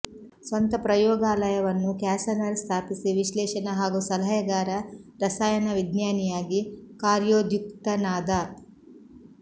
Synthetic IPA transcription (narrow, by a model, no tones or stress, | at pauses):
sʋɐnt̪ɐpɾɐjɔːɡaːlɐjɐʋɐnːukaːsɐnɐɾst̪ʰaːpisiʋiʃlɛːʃɐnɐɦaːɡusɐlɦɐjɐɡaːɾɐɾɐsaːjɐnɐʋid̪njaːnijaːɡikaːɾjoːd̪jukt̪ɐnaːd̪a